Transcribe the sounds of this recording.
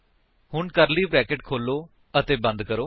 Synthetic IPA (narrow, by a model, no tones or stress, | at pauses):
hʊɳkəɾliːbɾɛːkɪʈkʰoːlːoː | ət̪eːbə̃nd̪kəɾoː